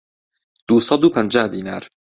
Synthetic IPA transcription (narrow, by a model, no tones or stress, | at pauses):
d̪̥uːsɑd̪uːpʰənd͡ʒaːhd̪iːnaːɾ